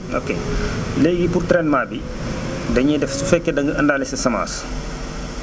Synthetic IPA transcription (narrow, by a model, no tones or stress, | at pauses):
o̰kḛːlɛːɡipurtɾɛnmaːbi | dɐɲɛdɛfsufɛkːɛdɐŋɡɐɐndaːlɛsɐsɐma̰ːs